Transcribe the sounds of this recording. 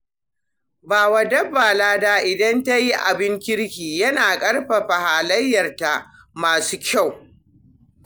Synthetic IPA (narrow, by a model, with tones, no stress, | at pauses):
baː˨wa˦dɐ˦bːaː˨laː˦daː˦ʔɪ˨dɐ˦nta˦ji˦ʔa̰˨bɪ˦ŋkʲɪ˦ɽkʲiː˨jɐ˦naː˨kʼɐ˦ɽɸa˨ɸa˨haː˨lɐ˦jːɐ˨rta˨ʔ | maː˨suː˦kʲa˦˨w